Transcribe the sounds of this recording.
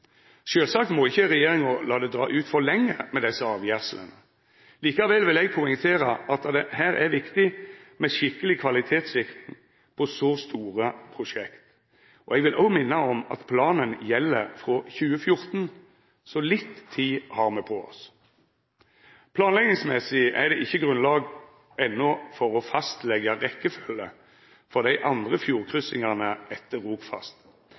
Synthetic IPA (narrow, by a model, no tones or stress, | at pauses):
ʃøːlsɑːkt̪mɔɪçːəʁɛjeːɾɪŋɔlɑːd̪ɛd̪ʁɑ̰ːʔʉːt̪fɔʁlɛŋːəmɛd̪ɛsːəɑːʋjæʁsələ̰nə | liːkɑʋɛlʋɪlɛɡ̚pʰʊɪŋt̪ʰeːɾəʔɑt̪d̪ɛhæːɾæʋɪkt̪ɪmɛʃɪkːəlɪkʰʋɑlɪt̪ʰeːt̪sʋɪkɾɪŋ | pʰɔsɔst̪uːʁəpʰʁʊʂɛkt̪ | ɔɛɡʋɪlʔɔʊmɪnːəɔmɑ̰t̪pʰlɑːnənjɛlːəʁfʁɔçʉːəfjʊʁt̪n | sɔlɪt̪ʰːiːhɑʁmɛpʰɔɔ̰s | pʰlɑːnlɛɡnɪŋsmɛsɪʔɛʁd̪ɛʔɪçːəɡʁʉnlɑːɡ | ʔɛnːʊfɔʁɔfɑst̪lɛɡəʁɛkːəføːlə | fɔʁd̪æɪʔɑnd̪ʁəfjuːʁkʰʁʏsɪŋɑʁnəʔɛt̪ːəʁːuːpfɑ̰st̪